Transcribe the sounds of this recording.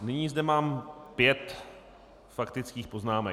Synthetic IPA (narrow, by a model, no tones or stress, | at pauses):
nɪɲiːzdɛmaːmpjɛt̪ | fakt̪ɪt͡skiːxpo̞znaːmɛ